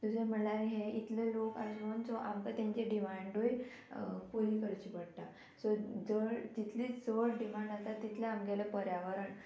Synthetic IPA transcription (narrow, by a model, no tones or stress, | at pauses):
t̪usem̤əɳlaɾɦeit̪leloka̰lont͡soʔamk̪at̪ãɲt͡ɕeɖimaɳɖoj | puɾiːkəɾt͡ɕiːpəɽt̪a | sod͡zəd͡ʑit̪ʰliːsəɽɖimãɳɖat̪at̪ːit̪ʰleamɡelepəɾjaʋəɾəɳ